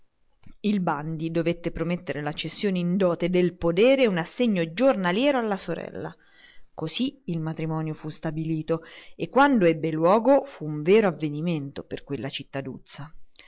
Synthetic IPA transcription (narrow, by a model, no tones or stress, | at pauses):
ilband̪id̪ovet̪ːepɾomet̪ːeɾelat͡ʃːesːjoːneind̪ɔːt̪ed̪elpod̪ɛːɾeunasːeɲːod͡ʒornaljɛːɾoalːasoɾɛ̰lːa̰ | kosiilmat̪ɾimɔːnjofust̪abiliːt̪oekːwand̪oɛbːelwɔːɡofuːɱveːɾoavːeniment̪operkwelːat͡ʃit̪ːad̪ṵt̪sa